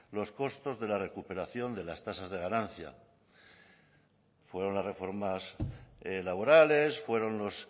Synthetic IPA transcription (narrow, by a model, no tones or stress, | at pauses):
lo̞sko̞st̪o̞zðe̞lare̞kupe̞ɾaθjo̞nd̪e̞last̪asazðe̞ɣ̞anãn̟θja̰ | fwe̞ɾo̞nlasre̞fo̞ɾmas | laβ̞o̞ɾale̞sfwe̞ɾo̞nlo̞s